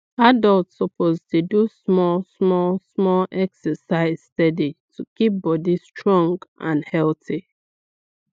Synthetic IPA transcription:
adəlˠtsəpʰoztudusmɔlsmɔlsmɔlʔɛksəsaɪz̥stɛditʰukip̚bɔdistʰɹɔ̃ŋɡʔã̰nhɛlti

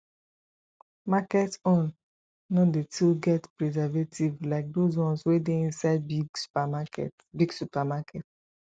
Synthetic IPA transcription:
makɛtɔ̃nː | ɔ̃detʰilɡɛtpɹɛzavetʰivlaɪk̚dozwɔ̃nswedeĩnsaɪdbiɡsu̥pamakɛ̰t | biɡsupamakɛt

